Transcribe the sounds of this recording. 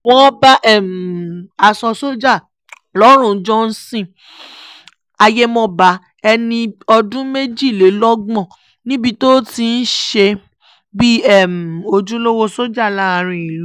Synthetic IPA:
wɔ̃˦ba˦ʔɛ˦˨m˨a˧sɔ˧so˦d͡ʒa˦˨ | lɔ˨˦ɾ̃ũ˦˨˦d͡ʒɔ˦n̩˦sĩ˦˨ | a˧je˦mɔ̃˦ba˨˦ | ɛ˧nĩ˧ɔ˧dũ˦me˦d͡ʒi˦˨le˨˦lɔ˦ɡ͡bɔ̃˦˨ | nĩ˦bi˧to˦ti˧n̩˦ʃe˧ | bi˦ɛ˦˨m˨o˧d͡ʒũ˦lo˦wo˦so˦d͡ʒa˦˨la˦˧ɾ̃ĩ˧i˨l

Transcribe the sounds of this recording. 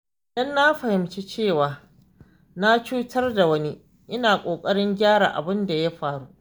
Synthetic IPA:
ʔʔɪ˨dɐ˦nːa˦ɸɐ˨hɪ˨mt͡ʃe˦t͡ʃeː˦˨waː˨ | na˦t͡ʃuː˦tʰɐ˦rda˨wɐ˦ni˦ | ʔɪ˦naː˨kʷʼoː˨kʼɐ˦ɽɪ˦ŋɡʲaː˦ɽa̰˨ʔa̰˨bɪ˦nda˨ja˦ɸaː˨ɽu˦ʔ

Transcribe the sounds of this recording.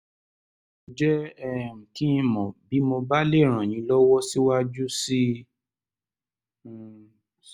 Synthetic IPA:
d͡ʒɛ˦ɛ˦˨m̩̃˨kĩ˦ĩ˧mɔ̃˨bi˨˦mo˧ba˦le˦˨ɾ̃ã˨ñĩ˨˦lɔ˦wɔ˦si˦wa˦d͡ʒu˦si˦

